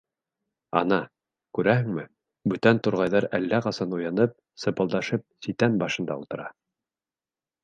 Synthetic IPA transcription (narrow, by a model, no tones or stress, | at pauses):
ɑ̰nɑ | kʉɾæhɘ̆ŋmɘ | bɵt̪ænt̪ŏɾʁɑjðɑɾælːæqɑsɑnujɑnɤp̚ | sɤ̆pɤ̆lˠd̪ɑʃɤp̚sit̪ænbɑʃɤ̆nd̪ɑ̰ṵlt̪ɤ̆ɾɑ